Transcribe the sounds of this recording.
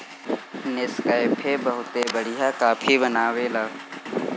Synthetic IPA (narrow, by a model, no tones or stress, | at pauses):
nɪskəːɪpʰeːbəɦʊt̪ebəɽɪjaːkaːpʰibənaːweːlaː